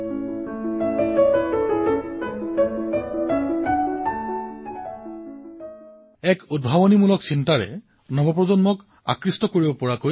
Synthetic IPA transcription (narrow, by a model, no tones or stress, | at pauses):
ɛkud̚bʱabonimulɔksintaɹɛ̰ | nɔbɔp̬ɹɔzɔnmɔk | a̰kɹistɔkoɹibopɔɹako